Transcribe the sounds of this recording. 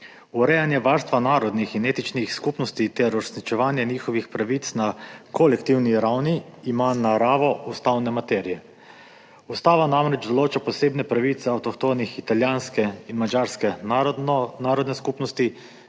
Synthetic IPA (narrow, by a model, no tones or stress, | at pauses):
uɾɛjanjɛʋaɾst̪ʋanaːɾɔd̪nixineːt̪it͡ʃnixskupnɔst̪it̪ɛɾuɾesnit͡ʃɛʋaːnjɛniːxɔʋixpɾaʋit̪snakolɛkt̪iwniɾawniːmanaɾaːʋɔust̪awnɛmat̪ɛɾijɛ | ust̪aːʋanamɾɛd͡ʒd̪ɔloːt͡ʃapɔseːbnɛpɾaʋit̪sɛawt̪ɔkt̪oːnixit̪aljanskɛinmad͡ʒaɾskɛ | naːɾɔd̪nɛskupnɔst̪i